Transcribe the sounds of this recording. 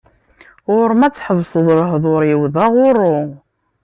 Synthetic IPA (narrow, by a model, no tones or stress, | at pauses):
ʊɾmæt͡sːħəvsˤəðˤɾəɦðˤʊɾjəwðæʁʊɾˤːʊ